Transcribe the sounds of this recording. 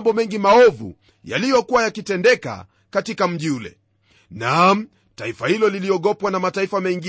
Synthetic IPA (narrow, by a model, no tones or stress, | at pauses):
mbɔmɛŋɡimaɔvṵ | ja̰lijɔkuwajakitɛndɛka̰ | katikam̩ʄiulɛ̰ | nam̩ | taifahilɔliliɔɠɔpwanamataifamɛŋɡi